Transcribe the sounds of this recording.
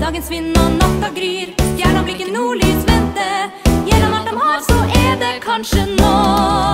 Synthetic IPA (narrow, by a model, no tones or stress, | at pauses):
d̪ɑːɡənsʋɪnːanɑkːɑɡɾyːɾjæːɳɔblɪɪkːənuːɭyːsʋɛnt̪əjɛɾɑnɑʈːɔmhɑɾsɔʔɛd̪ɛkʰɑnʂənoː